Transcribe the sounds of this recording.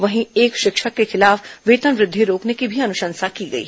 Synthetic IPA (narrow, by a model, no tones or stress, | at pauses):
ʋɐɦĩeːkʃɪkʃəkːexʰɪlaːfʋeːt̪ənʋɾɪd̪ʱːiɾoːknekibʱiɐnʊʃə̃nsakiːɡəḭː